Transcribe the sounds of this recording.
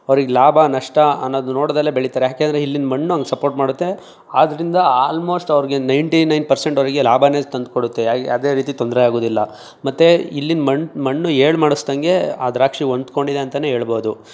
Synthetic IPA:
ɐʋɐɾiɡelaːbʱanɐʂʈɐɐnːoːd̪unoːɽd̪ɐlːebeɭit̪aːɾejaːkend̪ɾeilːinmɐɳːuɐŋɡesɐpoːɾʈmaːɽut̪ːe̞ | aːd̪ɐɾind̪ɐaːlmo̞ːsʈɐʋɾiɡenɐjɳʈinɐjnpɐɾseɳʈɐʋɾiɡe̞laːbʱane̞ːt̪ɐnd̪̚koɽut̪ːeaɡɐd̪e̞ːɾiːt̪it̪ond̪ɾeaːɡoːd̪ilːɐ | mɐt̪ːeilːinmɐɳmɐɳːueːɭmaːɽusd̪ɐŋɡe̞a̰d̪ɾaːkʂiond̪ko̞ɳɖid̪e̞ɐnt̪ɐne̞ːɦeːɭboːd̪u

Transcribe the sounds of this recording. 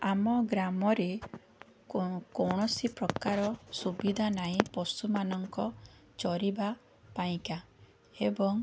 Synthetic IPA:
amɔɡɾamɔɾe | kɔwɽ̃ɔsipɾɔkaɾɔsubid̪ʱanaĩpɔsumanɔŋkɔ | t͡ʃɔɾiba | paĩka | ebɔŋ

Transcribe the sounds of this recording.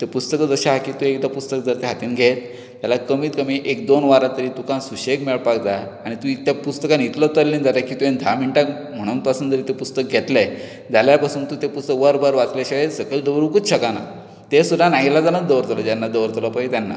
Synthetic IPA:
t̪epust̪əkəd͡zəɕaɦakiːt̪uekd̪apust̪əkd͡zəɾt̪eɦat̪iːnɡʱet̪ | t̪jalakəmiːt̪kəmiʔek̚d̪onʋaɾãt̪əɾiːt̪ukãsuɕekmeɭpakd͡za | aɽ̃it̪uit̪japust̪əkanit̪lət̪əllːend͡zaɾakiːt̪uẽnd̪ʱamiɳʈak | m̤əɽ̃uːnpasuːnd͡zəɾiːt̪epust̪ək̚ɡʱet̪la | d͡zaljapasuːnt̪ut̪epust̪əkʋəɾbəɾʋat͡slaɕaesəɡəɭd̪əʋɾuːkut͡st͡ɕʰəkana̰ | t̪esud̪ʱanaɦilad͡zanəd̪əʋəɾt̪ləd͡ʑjanːad̪əʋəɾt̪ləpait̪janːa̰

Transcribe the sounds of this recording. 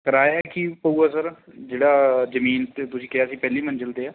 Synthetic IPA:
kəɾaːjaːkipəuːaːsəɾd͡ʒeːɽaːzəmiːnt̪et̪ʊsĩːkɪaːsiːpɛːliːmənd͡ʒəld̪eːaː

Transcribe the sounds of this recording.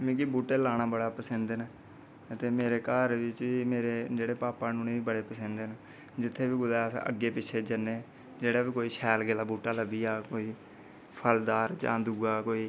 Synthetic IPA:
mɛ̃ːkibuːʈeːlaːɽ̃aːbəɽaːpəsənd̪n | ət̪eːmeːɾeːkəːɾʋɪt͡ʃʋiːmeːɾeːd͡ʒeːɽeːpaːpaːnũːnẽːʋiːbəɽeːpəsə̃nd̪en | d͡ʒɪt̪ʰːeːbiːɡʊd̪ɛːsʔə̰ɡːeːpɪt͡ʃʰːeːd͡ʒəneː | d͡ʒeːɽaːbiːkoːiːʃʰɛːlɡelaːbuːʈaːləbiːaːkoːiː | pʰəld̪aːɾt͡ʃã̰ːd̪uːaːkoːiː

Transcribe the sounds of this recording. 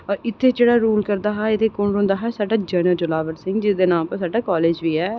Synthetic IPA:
ɔːɾɪt̪ʰːeːd͡ʒeːɽaːɾuːlkəɾd̪aːɦɛːeːt̪eːkʊɳɦʊ̃nd̪aːɦɛːsaːɖaːd͡ʒənəɾd͡ʒʊlaːʋəɾsɪ̃ŋɡd͡ʒɪsd̪eːnãːpəɾsaːɖaːkɔːleːd͡ʒʋiːɛː

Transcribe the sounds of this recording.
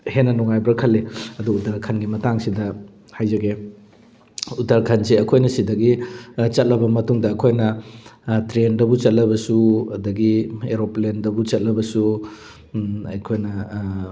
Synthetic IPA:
henːɐnɔŋajbɾɐkʰɐlːiɐduudaɾkʰɐnɡimɐtaŋsidɐ | hajzɐɡe | udaɾkʰɐnseɐkʰojnɐsidɐɡit͡ʃɐt̚lɐbɐmɐtuŋdɐːkʰojnɐ | tɾendɐbut͡ʃɐt̚lɐβɐsuɐdɐɡieɾoplendɐbut͡ʃɐt̚lɐbɐsu | ɐ̰jkʰojnɐ

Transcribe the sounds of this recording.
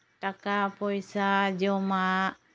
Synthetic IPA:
takapoisad͡ʒoma

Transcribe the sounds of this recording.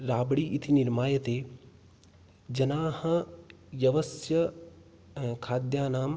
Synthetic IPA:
ɾaːbɽiːʔit̪ʰiniɾmaːjɐt̪eː | d͡ʒɐnaːhɐ̆jɐʋɐsjɐ | kʰaːd̪jaːnaːm

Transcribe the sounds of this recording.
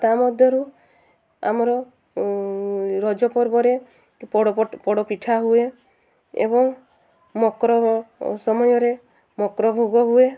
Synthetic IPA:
t̪amɔd̪ʱjɔɾu | a̰mɔɾɔ | ɾɔd͡ʒɔpɔɾbɔɾe | pɔɽɔpɔɽɔpiʈʰaɦue | ḛbɔŋ | mɔkɾɔsɔmɔjɔɾe | mɔkɾɔbʱoɡɔɦue

